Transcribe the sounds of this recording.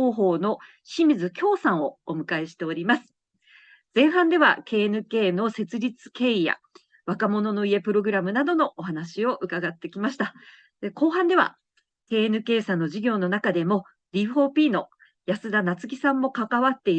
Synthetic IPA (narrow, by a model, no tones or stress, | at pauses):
oːɦo̞ːno̞ | ɕimʲizɨkʲo̞ːsãɰ̃o̞ːmɯ̟kaeɕi̥t̪e̞oɾʲimasɨ̥ | zẽ̞ɰ̃ɦãnd̪e̞βa̰ke̞ːnɯ̟ke̞ːno̞se̞t͡sɨɾʲit͡sɨ̥ke̞ːija̰ | βakamo̞no̞no̞ie̞pɯ̟ɾo̞ɡɯ̟ɾamɯ̟nad̪o̞no̞ʔːɦanaɕio̞ʔɯ̟kaɡat̪ːe̞kʲimaɕi̥t̪a | d̪eko̞ːɦãnd̪e̞β̞a̰ | ke̞ːenɯ̟ke̞ːsãnːo̞ʑiɡʲo̞ːno̞nakad̪e̞mo̞ | ɾʲiɸo̞ːpʲiːno̞ | jasɨd̪anat͡sɨkʲisãmːo̞kakaβat̪ːe̞i